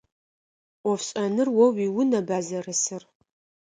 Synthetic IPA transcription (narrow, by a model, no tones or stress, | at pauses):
ɔfɕʼɐnɨrwɔwiwʊnɐbaːzɐrɨsɨr